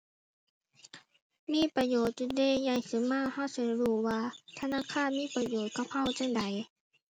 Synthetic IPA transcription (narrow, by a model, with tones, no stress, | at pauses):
miː˧˥˨pa˧joː˨˩t̪̚t͡ɕu˧deː˧˩˨ja˧˩ŋsɯ˨˦maː˧˥˨ha˧˥˩wsa˧˦ɾuː˧˩waː˧t̪ʰa˧naː˧˥˨kʰaː˧˥˨nmiː˧˥˨pɾa˧joː˨˩t̪̚ka˧˦p̚ha˧˥˨wt͡ɕa˧˩˨ŋda˨˦j